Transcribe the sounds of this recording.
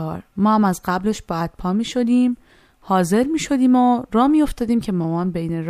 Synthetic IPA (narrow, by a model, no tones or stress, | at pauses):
ɾmɒːhæmæzɢæble̞ʃbæd̪̥̚pʰɒːmiːʃo̞d̪iːm | hɒːze̞ɾmiːʃo̞d̪iːmoɾɒːmiːjo̞ft̪ɒːd̪iːmcʰe̞momɒːnbejneɾ